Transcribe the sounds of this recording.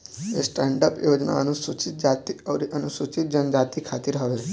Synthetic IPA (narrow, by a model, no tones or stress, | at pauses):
ɦesʈɛɳɖəpjod͡ʒna̰ənusut͡ʃit̪̚d͡ʒat̪iəʋɾiʔənusut͡ʃit̪̚d͡ʒənd͡ʒat̪ikʰat̪iːɾɦəʋe